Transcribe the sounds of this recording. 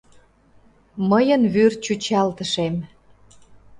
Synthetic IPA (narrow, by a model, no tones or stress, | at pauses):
məjənβyrt͡ɕut͡ɕɑlt̪ə̆ʃem